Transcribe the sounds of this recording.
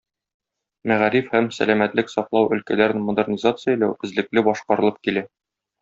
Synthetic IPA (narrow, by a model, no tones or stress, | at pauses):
mæʁæɾifhæmsæ̰læmæt̪lɘksɒqlˠɑwɵ̆lkælæɾɘnmod̪ɘrnʲizat̪sɨjəjlæwɘ̆zlɘ̆klɘbɒʃqɑɾɤ̆lˠɤp̚kilæ